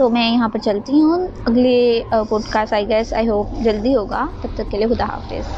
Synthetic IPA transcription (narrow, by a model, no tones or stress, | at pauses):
t̪omɛ̃ːjɐɦãpɐɾt͡ʃɐlt̪iɦũ | ɐɡlepoːɖkaːsʈaːiɡɛsa̰ːiɦoːd͡ʒɐld̪iɦoːɡaːt̪ɐp̚t̪ːɐkkelieɦʊd̪aɦa̰ːfɪ̰z